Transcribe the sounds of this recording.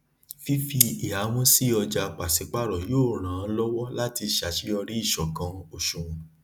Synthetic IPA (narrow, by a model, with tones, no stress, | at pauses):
fi˦fi˧i˨a˨˦wõ˦si˦ɔ˧d͡ʒa˧k͡pa˨si˨˦k͡pa˦˨ɾɔ˨joː˦˨ɾ̃ã˨˦lɔ˦wɔ˦la˦ti˧ʃa˨ʃi˦ɔ˧ɾi˦i˦˨ʃɔ˨kã˨˦o˧ʃũ˨ũ˨